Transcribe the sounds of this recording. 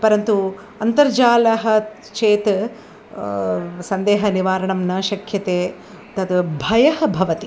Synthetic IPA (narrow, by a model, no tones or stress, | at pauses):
pɐɾɐnt̪u | ɐnt̪ɐɾd͡ʒaːlɐɦɐ | t͡ʃeːt̪ | sɐnd̪eːɦɐniʋaːɾɐɳɐmnɐʃɐkʰjɐt̪eː | t̪ɐt̪bʱɐjɐɦɐ̆bʱɐʋɐt̪i